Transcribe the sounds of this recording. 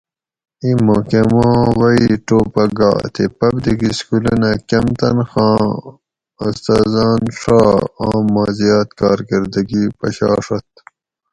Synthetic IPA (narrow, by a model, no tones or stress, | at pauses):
imõkemãːwɐiʈoːpɐɡa̰ːt̪ʰepɐbd̪iɡiskulinɐkɐmt̪ɐnxɑ̃ː | ust̪ɑːzɑːnʂaːaːmːaːzijɑːt̪kɑːɾɡɐɾd̪ɐɡipɐ̰ɕɑ̰ːʂɐt̪̚